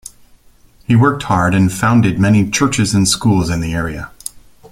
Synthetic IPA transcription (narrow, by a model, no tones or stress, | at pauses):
hiwɜ˞k̚t̚hɑɹɾɨ̃nfãʊ̃ndɨd̚mɛnit͡ʃʰɜ˞t͡ʃɨzɨ̃nskulˠzɨ̃nðiɛɹiɨ